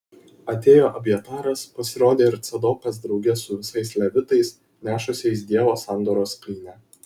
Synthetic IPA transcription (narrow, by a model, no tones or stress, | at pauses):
ɐt̪ʲeːjoːʔɐbʲjɛt̪ɑːɾɐspɐsʲɪɾoːd̪ʲeːɪɾt̪sʲɛd̪oːpʲɛs̬d̪ɾɒʊɡʲɛsʊʋʲɪsɐɪslʲɛʋʲɪt̪ɐɪs | nʲæːʃʊsʲɛɪs̬d̪ʲiɛʋoːsɑˑnd̪oːɾoːskʲiːnʲæː